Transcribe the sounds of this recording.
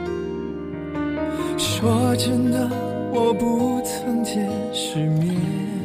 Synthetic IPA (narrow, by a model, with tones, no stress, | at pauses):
ʂwɔ˧˥ʈ͡ʂə˥nd̪ə˧ | wɔ˨˩pu˧˥t͡sʰə˧˥ntʰjɛ˧˥n | ʂɻ̩˧˥mɛ˥